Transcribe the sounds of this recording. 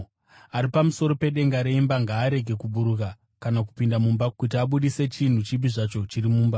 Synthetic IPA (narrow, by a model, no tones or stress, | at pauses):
aɾipamuso̞ɾo̞pe̞ɗe̞ŋɡaɾe̞imbaŋɡaːɾe̞ɡʱe̞kuɓuɾuka | kanak̬upindamumbakut̬iaɓuɗise̞t͡ʃin̤ut͡ʃip̬iʐat͡ʃo̞t͡ʃirimuːmba